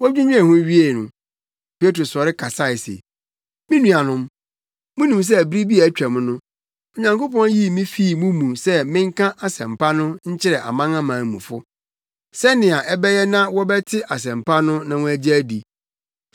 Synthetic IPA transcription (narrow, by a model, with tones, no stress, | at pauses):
wd͡ʑᶣũ˦ɲᶣ˦ɛ˨hʊ̃˦ɥi˦e˦˨nʊ̰̃˨ | pʰe˦tɾo˨sɔ˨ɾɪ˦kʰa˨sa˦˨ɪ˨sḛ˨ | mɪ̃˦nũ˨a˨nʊ̃˦m | mʊ̃˦nũ˨ms̬ɛ˦æ˨bɾi˦bi˦a˨˦t͡ɕᶣæ˨m̃˦nʊ̃˦ | ɔ˨ɲã˨ŋko˦pɔ̃˦n˦ji˦mĩ˦fiː˦˨mũ˦mũ˨sɛ˦mɪ̃˦ŋ̩˦kʰã˦ʔa˨sɛ̰̃˨mpʰa˦nʊ̃˦ɲ̩˦t͡ɕʰɪ˦ɾɛ˨ʔa̰˨mã˦ŋã˦mãː˨mũ˨fʊ˦ | sɛ˦nɪ̃˨a˨ʔɛ˦bɛ˦jɛ˦nã˦wɔ˦bɛ˦tʰɪ˦ʔa˨s̬ɛ̃˨mpa˦nʊ̃˦nã˨wɔ̃˦æ˦d͡ʑɛ˦di˨